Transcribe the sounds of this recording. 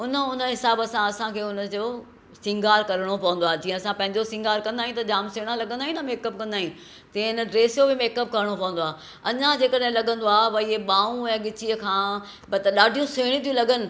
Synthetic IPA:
ʊnəʊnəɦɪsaːbəsãɐsãkʰeːʊnə̆d͡ʑoː | sɪ̃ŋɡaːɾkɐɾəɽ̃opɐʋə̃nd̪oaːɦd͡ʑĩːə̃ɐsãpɐ̃ɦɪ̃ɲd͡ʑosɪ̃ŋɡaːɾkɐ̃nd̪aːĩt̪ɐd͡ʑaːmseɽ̃ãlɐɠə̃nd̪aɦĩnɐmeːkəp̚kɐ̃nd̪aːɦĩ | t̪ĩɪnə̆ɖɾeːsjobɪmeːkəp̚kɐɾəɽ̃opɐʋə̃nd̪oaːɦ | ɐɲãd͡ʑeːkəɗɦẽlɐɠə̃nd̪oaːʋɐieɓãːũɛ̃ːɠɪt͡ɕiəkʰãː | bɐt̪ɐɗaːɖʱijũseːɽ̃ĩt̪ʰijũlɐɡənɪ̆

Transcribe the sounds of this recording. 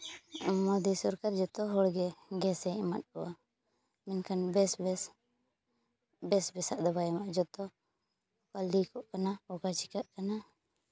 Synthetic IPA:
mɔd̪isɔɾkaɾd͡ʒɔt̪ɔɦɔɽɡɛɡɛsɛɛma̰t̪̚kɔwa̰ | mɛnkʰanbɛsbɛ | bɛsbɛsaʔd̪ɔbajɛmaʔd͡ʒɔt̪ɔ | kalikɔʔkanaɔkat͡ʃi̥kaʔkana

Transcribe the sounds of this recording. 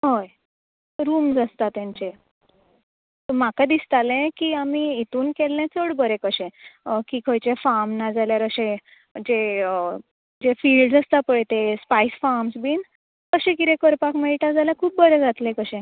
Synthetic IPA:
ɦoj | ɾuːmd͡zast̪at̪jãɲt͡ɕe | t̪əmakad̪ist̪alɛ̃kiːamiit̪uːnkelːɛ̃t͡səɽbəɾekəɕɛ̃kikʰəjt͡ɕefamnad͡zaljaɾəɕẽ | d͡ʑe | d͡ʑefiːlɖd͡zast̪apəɽet̪espaisfaɾmsbiːn | kəɕɛ̃kit̪ẽkəɾpakmeiʈad͡zaljakʰuːp̚bəɾɛ̃d͡zat̪lẽkəɕɛ̃

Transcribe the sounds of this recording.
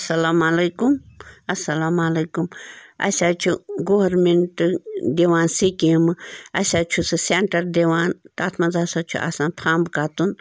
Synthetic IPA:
sɐlaːmɐlɐjkumɐsːɐlaːmalekumɐ̰sʲaːt͡ʃʰuɡoɐɾmeɳʈd̪iʋaːnsikimɨɐ̰sʲat͡ʃʰusɨseɳʈɐɾd̪eʋaːnt̪aːt̪ʰmazaːsat͡ʃʰṵʔa̰ːsaːnpʰãːmbkaːt̪un

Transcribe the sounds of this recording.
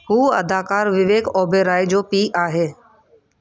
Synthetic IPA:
ɦuːɐ̰d̪aːkaːɾʋɪʋeːkɔːbʱeːɾaːid͡ʑoːpiːʔaːɦeː

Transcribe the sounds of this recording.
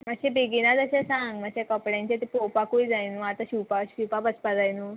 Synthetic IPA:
məɡɕebeɡinat̪əɕãsãŋɡməɡɕakəpɽjãɲt͡ɕat̪epopakuid͡zajnuat̪aɕiwpaɕiwpapət͡spad͡zajnuː

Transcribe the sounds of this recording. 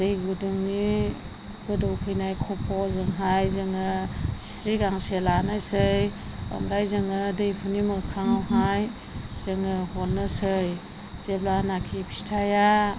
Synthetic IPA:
d̥ejɡudɯŋni | ɡ̥ɯdɔwkʰɯjnajkʰɔpʰɔzɯŋɦajzɯŋɯsi̥ɾiɡaŋselanajsɯjɔ̰mɾajzɯŋɯdejpʰunimɯkʰaŋawɦaj | z̥ɯŋɯhɔlnɯsɯj | z̥eblanakʰipʰi̥stʰaja

